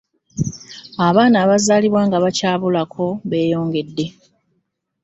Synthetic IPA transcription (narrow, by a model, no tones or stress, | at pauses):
aβaːnaːβazaːliβwaːŋɡaβacaːβulakʰo̞βe̞ːjo̞ːŋɡe̞dːe̞